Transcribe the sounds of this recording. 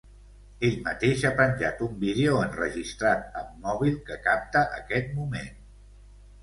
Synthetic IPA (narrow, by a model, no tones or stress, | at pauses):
eʎmət̪eʃapɾənʲʒa̰t̪umbiðeoənrəʒist̪ɾat̪̚əmːɔβ̞ilˠkəkap̚t̪əʔəkɛt̪̚mumen